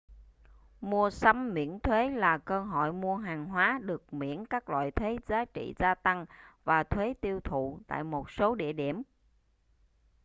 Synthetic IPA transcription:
mu˧əsə˧mːḭ˧˥ənt̪ʰwe˨˦laː˨˩kəː˧ɦɔ̰˧˨jmu˧əɦaː˨˩ŋɦwaː˨˦ɗɨ˨˩ək̚mḭ˧˥ənkaː˦˥k̚lwa̰ː˧˨jt̪ʰwe˨˦zaː˨˦t͡ɕḭ˧˨zaː˧t̪a˧ŋvaː˨˩t̪ʰwe˨˦t̪i˧əwt̪ʰṵ˧˨t̪a̰ː˧˨jmo˨˩t̚so˨˦ɗḭ˧˨əɗi˧˩əm

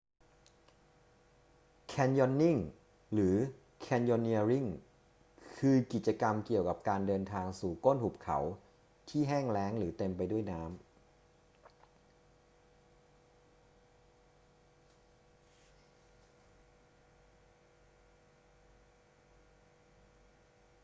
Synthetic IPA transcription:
kʰɛː˧njɔ˧nːi˥˩ŋ | ɾɯː˩˦ | kʰɛː˧njɔ˧nːi˧ɾi˥˩ŋ | kʰɯː˧ki˨˩t̪̚t͡ɕa˧ka˧mki˨˩əwka˨˩p̚kaː˧ndɤː˧nt̪ʰaː˧ŋsuː˨˩ko˥˩nhu˨˩p̚kʰa̰˩˦w | t̪ʰiː˥˩ɦɛː˥˩ŋlɛː˦˥ŋɾɯː˩˦t̪e˧mpa˧jdu˥˩əjnaː˦˥m

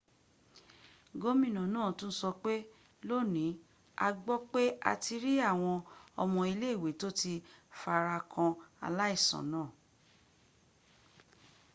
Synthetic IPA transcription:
ɡo˦mĩ˦˨nã˨˦nãː˦˨tũ˦n̩˦sɔ˧k͡pe˦ | lo˦˨nĩ˨˦ | a˧ɡ͡bɔ˦k͡pe˦ʔa̰˧ti˧ɾi˦a˦˨w̃ɔ̃˧ɔ˧mɔ̃˧i˧le˦˨we˨˦to˦ti˧fa˧ɾa˧kʰã˧a̰˧la˦i˦˨sã̰˨˦nãː˦˨

